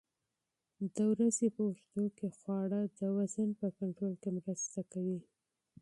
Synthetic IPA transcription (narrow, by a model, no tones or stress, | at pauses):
d̪əwɾazepəwʊʃt̪okexwɑɽad̪əwazanpəkaɳʈɾolkemɾəst̪akawi